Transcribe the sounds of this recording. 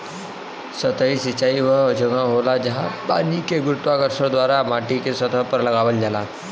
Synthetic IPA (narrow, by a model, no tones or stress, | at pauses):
sət̪əisit͡ʃaiʋəd͡ʒəɡãɦolad͡ʒəɦãba̰nikeɡɾut̪ʋakəɾsəɾd̪ʋaɾamaʈikesət̪əpəɾləɡaʋəld͡ʒala